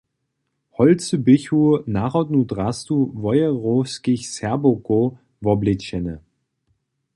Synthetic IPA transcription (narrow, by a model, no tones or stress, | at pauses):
hɔlt͡səbɪçunaʁɔtnudʁastuvɔjəʁoskɪçsɛɐboko | vɔblɪtçɛnə